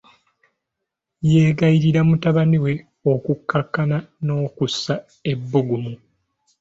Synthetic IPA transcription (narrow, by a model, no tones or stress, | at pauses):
jeːɡaiɾiɾamutaβaniwe̞ | okukːakːanano̞ːkusːa | e̞bːuɡumu